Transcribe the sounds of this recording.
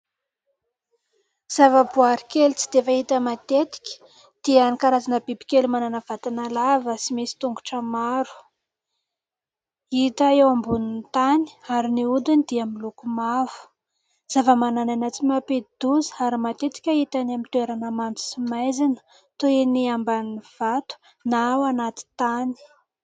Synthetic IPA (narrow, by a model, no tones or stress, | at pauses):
z̥avəbuaɾikelit͡sid̪̥efəit̪əmat̪et̪i̥kʲə̥ | d̪̥ianikaɾazanəbibi̥kʲelumananəv̥at̪inalavəsimisi̥t̪uŋɡu̥ʈ͡ʂəmaɾu̥ | it̪aewambunint̪ani̥aɾiniud̪unid̪̥iamilukumavu̥ | z̥avəmanananat͡simaped̪̥uzi̥aɾimat̪et̪i̥kʲait̪anamint̪ueɾanəmant͡s̪u̥simajzinə̥ | t̪oeniambaniv̥at̪u̥ | naawanat̪i̥t̪ani̥